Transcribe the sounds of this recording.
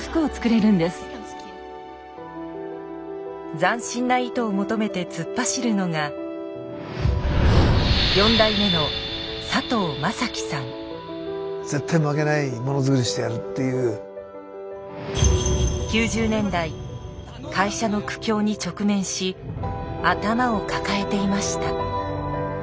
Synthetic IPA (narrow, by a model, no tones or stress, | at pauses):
fɯ̥kɯ̟ot͡sɨ̥kɯ̟ɾe̞ɾɯ̟̃nd̪esɨ̥ | d͡zãɰ̃ɕĩnːait̪o̞ːmo̞t̪o̞me̞t̪e̞t͡sɨpːaɕiɾɯ̟no̞ŋa | jõ̞nd̪aime̞no̞ | sat̪o̞ːmasakʲi̥sãŋ | z̥e̞t̪ːajmoake̞naimo̞no̞zɨkɯ̟ɾʲiɕi̥t̪e̞jaɾɯ̟t̪ːe̞jɯː | kʲɨːʑɨːnẽ̞nd̪ai | kʰaiɕano̞kɯ̟̥kʲo̞ːɲ̟it͡ɕo̞kɯ̟mẽ̞ɰ̃ɕi | at̪amao̞kakae̞t̪e̞imaɕi̥t̪a